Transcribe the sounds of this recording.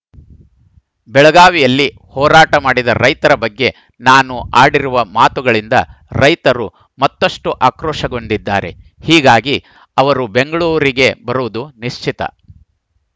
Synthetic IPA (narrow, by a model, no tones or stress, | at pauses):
bɛɭɐɡaːʋijɐlːi | hɔːɾaːʈɐmaːɽid̪ɐɾɐjt̪ɐɾɐbɐɡːe̞ | naːnuaːɽiɾuʋɐmaːt̪uɡɐɭind̪ɐ̰ɾɐjt̪ɐɾu | mɐt̪ːɐʂʈuʔaːkɾɔːʂɐɡo̞nd̪id̪ːaːɾe̞̰ | hiːɡaːɡi | ɐʋɐɾube̞ŋɡɐɭuːɾiɡe̞bɐɾuʋud̪uniʂt͡ʃʰit̪ɐ̰